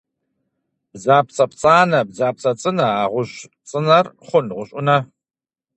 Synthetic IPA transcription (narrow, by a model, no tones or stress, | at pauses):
b̥zaːp̚t͡sʼɐpt͡sʼaːnɐbzaːp̚t͡sʼɐt͡sʼɨnɐaːʁʷʊɕ | t͡sʼɨnɐrχʷʊnʁʷʊɕʼʊnɐ